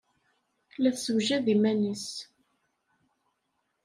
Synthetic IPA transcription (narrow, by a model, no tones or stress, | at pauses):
læθsəwʒæðimænis